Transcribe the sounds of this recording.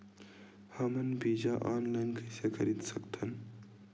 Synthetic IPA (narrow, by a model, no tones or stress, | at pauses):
hɐmɐnbiːd͡ʒaʔaːnlɐŋkʰəsekʰəɾid̪sɐkt̪ʰɐn